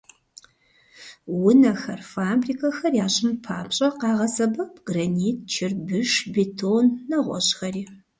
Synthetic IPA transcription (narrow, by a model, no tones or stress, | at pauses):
wʊnɐxɐrfaːbriːkʰɐxɐrjaːɕʼɪmpʰaːpɕʼɐqɑːʁɐsɐbɐpʰɡ̥raniːt̚ʰt͡ʃʰɪrbɨʂbetʰonːɐʁʷɔ̰ɕxɐriː